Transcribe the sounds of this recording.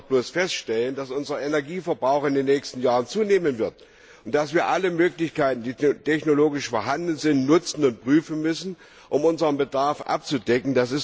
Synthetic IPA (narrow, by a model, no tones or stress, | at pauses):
b̥loːsfɛstʃtɛlənd̥asʔʊnzɐenɛɐɡiːfɛɐbʁaʊxɪndeːnːɛːçstn̩jaːʁənt͡suːneːmənvɪɐt | ʊnt̚d̥asv̥iːɐʔaləmøːklɪçkaɪtn̩diːtʰɛçnoloːɡɪʃfoːɐɦandn̩zɪntnʊt͡sn̩ʊnt̚pʁ̥yːfn̩mʏsn̩ | ʔʊmʊnzəʁənbədaɐfʔa̰p̚t͡sudɛkŋ̩d̥asɪs